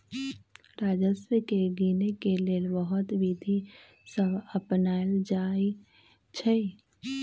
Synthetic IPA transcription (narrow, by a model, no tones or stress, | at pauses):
ɾaːd͡ʒəswəkeɡiːnekeleːlbəɦʊt̪ʋid̪ʱi | səbəpnaːld͡ʒaːi | t͡ʃʰe